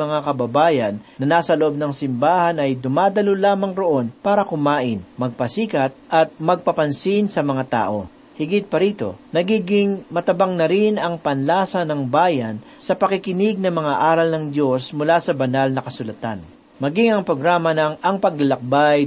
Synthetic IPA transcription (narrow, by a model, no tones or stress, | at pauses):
mɐŋakɐbɐbaːjɐnːɐnaːsɐloʔob̚nɐŋsɪmbaːhɐnɐjd̪ʊmaːd̪ɐlolaːmɐŋɾoʔo̞npaːɾɐkʊmaːʔɪnmɐɡ̚pɐsiːkɐt̪̚ʔɐt̪̚mɐɡ̚pɐpɐnsinsɐmɐŋat̪a̰ːʔo̞̰ | hɪɡɪt̪̚pɐɾiːt̪o̞̰nɐɡiːɡɪŋmɐt̪ɐbaŋnɐɾɪnɐŋpɐnlaːsɐnɐŋbaːjɐn | sɐpɐkɪkɪnɪɡ̚nɐmɐŋaʔaːɾɐlnɐŋd̪jo̞smʊlasɐbɐnalnɐkɐsʊlɐt̪a̰n | mɐɡɪŋɐŋpɾoɡɾaːmɐnɐŋʔɐŋpɐɡ̚lɐlɐk̚baj